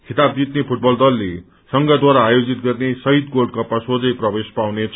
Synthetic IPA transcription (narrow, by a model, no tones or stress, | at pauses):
kʰit̪ab̚d͡zit̪nepʰuʈ̚bʌld̪ʌlːe | sʌŋɡʌd̪waɾaːjod͡zit̪̚ɡʌrnesʌɦit̪ɡolɖ̚kʌpːasod͡zʌjprʌbespawnet͡sʰ